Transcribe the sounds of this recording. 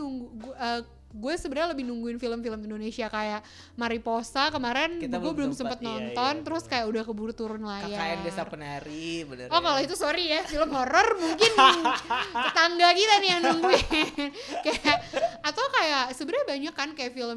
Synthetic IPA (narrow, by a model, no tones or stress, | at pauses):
uŋɡuuəː | ɡuasəbəɾaaləbɪhnuŋɡuɪnfiləmfiləmindonesiakajaʔ | maɾiposakəmaɾɛnbɡuabəlʊmsəmpət̪̚nɔnt̪ɔnt̪əɾʊskajaʔudahkəbuɾt̪uɾʊnlajaaabiasapənaɾibənɔkaloit̪usoɾijafiləmhɔɾɔrmuŋkɪn | ət̪aŋɡakit̪anijaŋnuŋɡuɪnkajaʔːt̪awkajaʔsəbəɾaɲabaɲakːankajaʔfiləm